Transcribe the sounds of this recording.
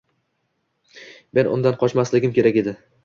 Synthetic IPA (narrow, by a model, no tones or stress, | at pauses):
me̞nʔʊ̰nd̪anqʰɒt͡ʃmaslɪɡʲɪmkʲe̞ɾakʲe̞d̪ɪ